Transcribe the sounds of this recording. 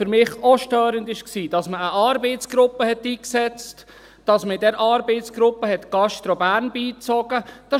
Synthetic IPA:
fʏɾmɪχoʃtœːɾəndɪʃksiːd̥ɑsməəʔɑːɾbeɪtt͡sɡ̥ɾʊpːəhɛtiːksɛt͡st | d̥ɑsməɪdɛɾʔɑːɾbeɪtsɡ̥ɾʊpːəɦɛtɡ̥ɑʃtɾɔbæːɾnbiːt͡sɔɡ̥əd̥ɑ

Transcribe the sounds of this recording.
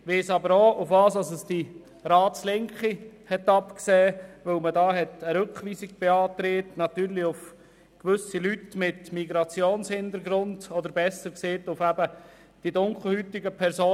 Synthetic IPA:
ʋeːsɑbəɾoːʊfʋɑːsɑsəsd̥i | ɾɑːtslɪŋkχihɛtɑpksɛːʋɵwmədɑːɦɛt̪əɾɵkχʋiːsiɡ̚b̥eɑːt̪ɾeːtnɑt̪yːɾliʊf | kʋʏsilytmɪtmiɡɾɑt͡sjoːnshɪnt̪əɾɡɾʊndɔd̪əɾbɛsəɾkseːtʊfæbə | d̥idʊŋkχl̩ˠhytiɡəpʰɛɾsoː

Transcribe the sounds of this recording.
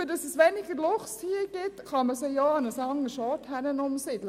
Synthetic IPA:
əd̪ɑsəsʋɛnɪɡəlɔχshiːɡ̥ɪt̪kʰɑməsɛɪjɑːnəsɑŋəʃɑːt̪hænənʊmsɪd̪l

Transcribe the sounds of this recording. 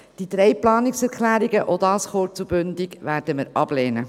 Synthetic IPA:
d̥id̪ɾɛjplɑːnɪksɛɾkʰlæːɾiɡəʔod̪ɑːsχoɾt͡subʏnd̪iɡʋæːɾd̥əməɾɑb̥leːnə

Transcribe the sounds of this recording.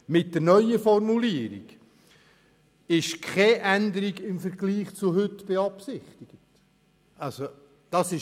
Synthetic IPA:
mɪt̚dəɾnœʏəfɔrmuliəɾḭɡ̥ | ɪʃkʰχɛʔænd̪əɾiɡɪmfəɾɡliːχt͡suɦɵtb̥eɑpsɪχt̪ɪɡ̥ət | ɑso | d̥ɑsɪ

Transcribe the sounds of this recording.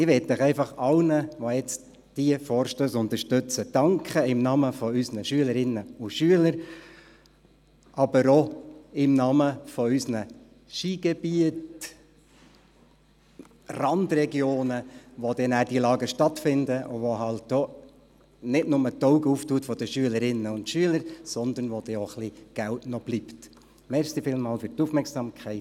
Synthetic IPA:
ɪʋɛtːəχɛɪfɑχɑlnəʋojɛt͡st | d̥iəfɔːɾʃtøːsʊnt̪əʃtøt͡səd̥ɑŋkχəɪmnɑːməfɔysnəʃyələɾɪnːəʊʃyələɾ | ʔɑbəɾɔɪmnɑːməfɔysnə | ʃiːɡ̥ɛb̥iət | rɑndrɛɡjoːnəʋod̥ɛnæːɾd̥ilɑːɡəʃtɑtfɪndəʔʊʋoɦɑlt̚d̥ɔ | nɪdnʊmət̪ɔʊɡəuːftuːtfɔd̥əʃyələɾɪnːəʊntʃyələɾsɔnd̪ənʋod̥ɛɔχliɡ̥æltnɔb̥liːpt | mɛɾʃsifɪlmɑːlfʏɾtufmɛɾksɑmkʰɛɪt

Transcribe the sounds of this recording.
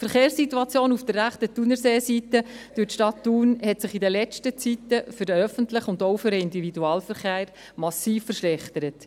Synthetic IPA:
fəɾχeːrsːituɑt͡sjoːnufd̥ərːæχtətunəɾseːsitəd̥ytʃtɑtːuːnhɛtsɪχidəlɛt͡ʃtət͡sitəfʏɾdəœfəntlɪχʊnd̪oʊfʏɾəɪndividuɑːlfəɾχeːɾ | mɑsiːffəɾʃlɛχtəɾət

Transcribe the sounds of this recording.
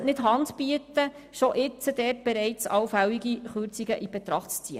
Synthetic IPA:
nɪtɦɑntpiətə | ʃoʔɪt͡səd̥ɛːrt̚b̥ɛɾɛɪt͡sɑwfæwiɡiχʉɾt͡siɡəʔib̥ɛt̪ɾɑχtt͡st͡siə

